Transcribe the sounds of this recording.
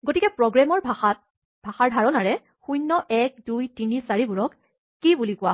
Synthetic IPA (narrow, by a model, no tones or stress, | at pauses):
ɡotikɛpɹɔɡɹamɔɹ | bʱaxaɹdʱaɹɔnaɹɛ | xujnːɔʔɛk̚dujtinisaɹibuɹɔkː | ibulikʊwa